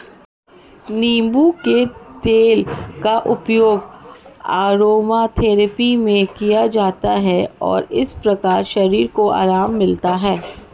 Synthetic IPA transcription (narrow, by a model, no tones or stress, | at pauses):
niːmbuket̪eːlkaʔʊpjoːɡaːɾoːmat̪ʰeːɾəpimẽkijad͡ʒaːt̪aɦɛɔ̰ːɾɪspɾɐkaːɾʃɐɾiːɾkoa̰ːɾaːmːɪlt̪aɦɛː